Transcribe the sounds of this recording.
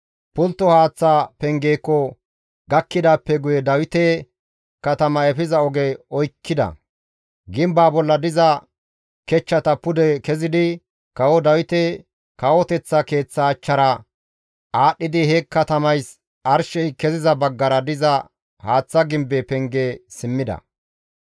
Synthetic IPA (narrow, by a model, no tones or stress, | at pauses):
pʊlt̪ːɔhaːt͡sːapɛŋɡeːkːɔ | ɡɐkːɪd̪aːpːɛɡʊjɛd̪ɐwɪt̪ɛ | kɐt̪ɐmɐɛfɪzɐɔɡɛɔjkːɪd̪ɐ̰ | ɡɪmbaːbɔlːɐd̪ɪzɐ | kɛt͡ʃːɐt̪ɐpʊd̪ɛkɛzɪd̪ɪ | kɐwɔd̪ɐwɪt̪ɛ | kɐwɔt̪ɛt͡sːɐke̞ːt͡sːɐːt͡ʃːɐɾɐ | aːɗːɪd̪ɪhɛkːɐt̪ɐmɐjs | ɐɾʃɛjkɛzɪzɐbɐɡːɐɾɐd̪ɪzɐ | haːt͡sːɐɡɪmbepɛŋɡeːsɪmːɪd̪ɐ̰